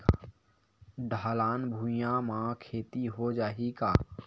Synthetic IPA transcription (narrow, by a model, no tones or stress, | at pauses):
ɖʱaːlaːnbʱujãmãkʰeːt̪iɦod͡ʒaːɦikaː